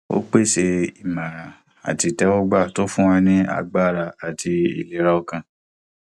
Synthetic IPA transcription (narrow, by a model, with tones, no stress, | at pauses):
o̰˦k͡pe˦˨ʃe˧i˦˨mã˨ɾ̃ã˨ | a̰˨ti˨˧tɛ˦wɔ˦ɡ͡ba˦˨to˨˦fũ˦wã˧nĩ˦a̰˧ɡ͡ba˦˨ɾa˧a˨tʰi˧ḭ˨le˨˦ɾa˧o˧kã˧